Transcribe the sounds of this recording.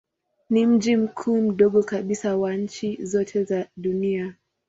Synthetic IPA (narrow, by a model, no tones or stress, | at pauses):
nim̩d͡ʒim̩kʰuːm̩ɗɔɠɔkaɓisawaɲ̩t͡ʃizɔtʰɛzaɗunia